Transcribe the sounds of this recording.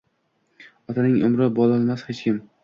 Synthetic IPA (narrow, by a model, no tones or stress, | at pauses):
ɒt̪ʰanɪŋʊ̰mɾabɒlˠalˠmashet͡ʃkʲɪm